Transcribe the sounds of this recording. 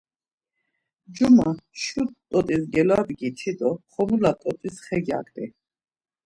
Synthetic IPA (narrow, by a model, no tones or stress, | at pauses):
d͡ʒumaʃut̪̚t̪ʼɔt̪ʼisɡɛlad̪ɡit͡ʃʰid̪ʼɔχɔmulat̪ʼɔt̪ʼisχɛɡja̰kʼd̪ɛ